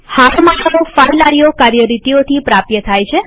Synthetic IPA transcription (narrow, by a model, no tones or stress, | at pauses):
hat̪ʰmaʈəofaɾlaɽijokaɾjəɾit̪iot̪ʰipɾapjət̪ʰajt͡ʃʰe